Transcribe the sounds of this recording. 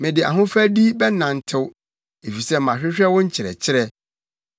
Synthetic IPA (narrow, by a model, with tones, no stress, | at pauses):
mɪ̃˨dɪ˨a̰˨ɦʊ̃˦fæ˦di˦bɛ˦nã˨n̩˨tʰɪ˦w | e˨fi˨sɛ˦m̩˨ã˨ɕᶣɪ˦ɕᶣɛ˦wʊ̃˦ɲ̩˦t͡ɕʰɪ˨ɾɛ̰˨t͡ɕʰɪ˦ɾɛ˦